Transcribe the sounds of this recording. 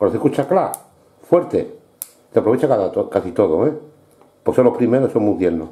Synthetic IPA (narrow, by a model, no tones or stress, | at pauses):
oɾoθikut͡ʃakla | fwe̞ɾt̪e | t̪eapɾoβet͡ʃakaðat̪okasit̪oðoe | pokesolohpɾimeɾosoŋmuðjelno